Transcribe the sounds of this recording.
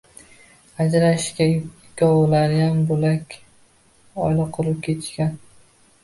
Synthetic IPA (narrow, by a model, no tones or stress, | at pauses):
ad͡ʒɾaʃkʲa | ɡ̥ɒwlaɾɪjambolakʲ | ɒjlaqʰɨlˠɪp̚kʲʰe̞t͡ʃkʲan